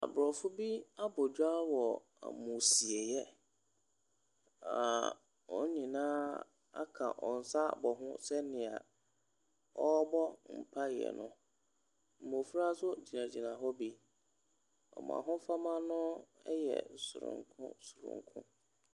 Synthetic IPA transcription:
a̰˨bɾɔ˨fʊ˦bi˦a˦bɔ˨d͡ʑᶣa˦wɔ˨ | a̰˨mũ˨si˨e˨jɛ˦ | a̰˨ | ɔ˦ɲĩ˨nãː˦ | a̰˦kʰã̰˨ʔɔ˨n̩˨sa˦bɔ˨ɦʊ̰̃˦sɛ˦nɪ̃˨a˨ | ɔ˦bɔ˦m̩˨pʰa˦jɪ˨ɛ̰˨nʊ̰̃˦ | m̩˨mo˨fu˦ɾa˦sʊ˦d͡ʑi˨nã˨d͡ʑi˨nã˨ɦɔ˦bi˦ | ɔ̰˨mã̰˨ɦʊ̃˦fa˦mã˦nʊ̃˦ɛ˦jɛ̰˨sʊ˨ɾʊ̰̃˨ŋ˨kʰʊ̰̃˦sʊ˨ɾʊ̰̃˨ŋ˨kʰʊ̰̃˦

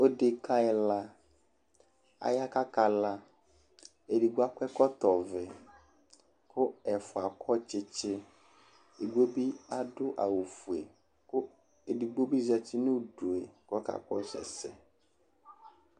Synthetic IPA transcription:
o˦de˨ka˦ɛ˨la˦ | a̰˨ja˦ka˦ka˨la˦ | e˨di˨ɡu˦a˦kʷɛ˦kɔ˦t̪ɔ˨vɪ˨ | kʰʊ˦ɛ˨fʊ˨a˨kʰɔ˦t͡ʃɪ˦t͡ʃɪ˦ | e˨ɡo˦bi˦a˦dʊ˦ʔa˨wu˨fu˨e˨ | kʊ˦ | e˨di˨ɡ͡bo˦bi˦zɛ˨t͡ʃɪ˦nʊ̃˦ɖu˨e˨kɔ˦ka̰˨kɔ˦sɛ̰˨sɛ˨

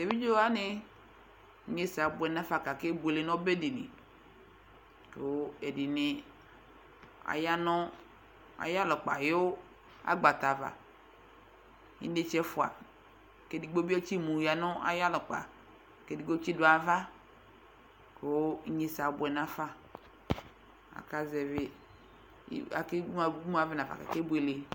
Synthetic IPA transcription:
t̪e˨vi˦d͡ʒo˦a˦nɪ˦ | ɲe˦sa˨bʊ˨ɛ˨nã˦fa˨ka˨ke˦be˨le˨nɔ̃˦be˦di˨nɪ̰˨ | ke˨wo˦e˨dɪ˨nɪ˨ | a̰˨ja˦nɔ̃˦ | a̰˨ja˦lɔ˨k͡pa̰˨je˦wo˦ | a̰˦ɡ͡ba˨t̪a˨va̰˨ | ɲḭ˦de˦t͡ʃɛ˦fʊ˨a̰˨ | ke˨di˨ɡ͡bo˦be˦t͡ʃi˦mu˨ja˨nʊ˦a̰˨ja˦lʊ˨k͡pa̰˨ | ke˨di˨ɡ͡bo˦t͡ʃi˦dʊ˨˦a˨va˦ | ko˨˦ɲe˦sa˨b̰ɛ˨nã˦fa˦ | a̰˨ka˦zɛ˨vɪ̰˦ | a̰˨ke˦a˨˦mu˦a˨vɪ˦na˨fa̰˨ka̰˨ke˦bu˦e˨le˨˦

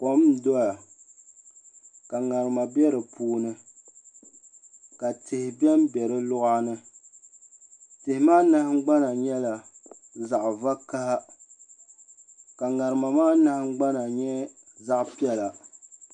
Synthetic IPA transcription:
kɔ˦m˦dɔ˦ja˨ | ka˨ŋa˨ɾɨ˨ma˨bɛ˦ɾɨ˨pʰuː˦nɨ˦ | ka˨tɪ˨hɪ˨bɛ˦m˦bɛ˨ɾɨ˦lʊ˦ʔa˦nɨ˦ | tɪ˨hɪ˨maː˦na˦hŋ͡m̩˦ɡ͡ba˦na˨ɲɛ˦la˨ | za˨ʔva˦ka˦ha˦ | ka˨ŋa˨ɾɨ˨ma˨maː˦na˦hɡ͡ba˦na˨ɲɛ˦ | za˦ʔpi˦ɛ˦la˨

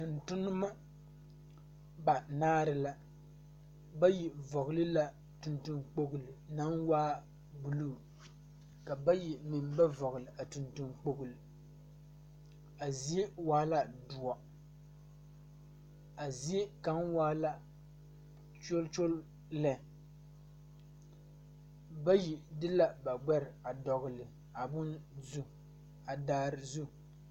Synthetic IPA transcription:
tʊ˨ntʊ˦nʊ˦ma˦ | ba˨naː˦ɾɨ˦la˦ | ba˦ji˨vɔ˨ɣʊ˨lɨ˦la˦ | tu˨ntu˦nk͡po˦ɡʊ˨lɨ˨na˨˦nwaː˦ | bu˨lu˦˨ | ka˨ba˦ji˨mɪ˨m˦ba˦vɔ˨ɣʊ˨lɨ˨a˨tu˨ntu˨nk͡po˦ɡʊ˨lɨ˨ | a˨zi˦waː˦la˦dʊ˨ɔ˨ | a˨ze˦ka˨˦ŋwaː˦la˦ | t͡ʃo˦lt͡ʃo˦l | lɛ˨ | ba˦ji˨dɨ˦la˦ba˨ɡ͡bɛ˦ɾɪ˨a˨dɔ˨ɣʊ˨lɨ˨ | a˨bʊ˦nzu˦ | a˨daː˦ɾɨ˨zu˦

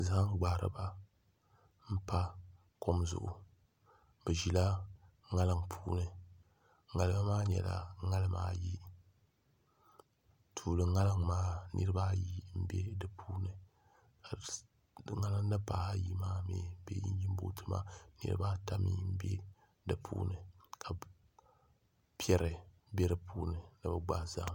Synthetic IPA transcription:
za˨ha˦ŋ˦ɡ͡baː˨ɾɨ̰˦ba˦ | m̩˦pa˦ | ko˦mzʊ̰˨ʔʊ̰˨ | bɛ˨ʒi˨la˦ | ŋa˦lɨ˦ŋpʰuː˦nɨ˨ | ŋa˨lɨ˦ba˦maː˦ɲ˨ɛ̰˨la̰˨ŋa˦lɨ˦ma̰ː˦ji˦ | tʰuː˨lɨ˨ŋa˦lɨ˦ŋmaː˦nɨ̰˦ɾɨ˦ba˦ji˦m̩˦be˦dɨ˨pʰuː˦nɨ˨ | ka˨ | ŋa˦lɨ˦ŋ˦nɨ˦pa˨a˦ji˦maː˦mḛː˨˦bḛ˦jḭ˦n˦ji˦m˦bo̰˦tʰɨ˦ma̰˦nɨ̰˨ɾɨ̰˦baː˦ta˦mḭ˦m̩˦be˦ | dɨ˨pʰṵː˦nɨ˨kʰa˨ | pɛ˦ɾɨ˨ | bɛ˦ɾɨ˦pʰuː˦nɨ˨nɨ˨bɨ˨ɡ͡ba˦za˦

